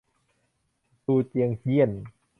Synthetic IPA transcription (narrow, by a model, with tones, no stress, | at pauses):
tuː˧t͡ɕi˧əŋhi˥˩ən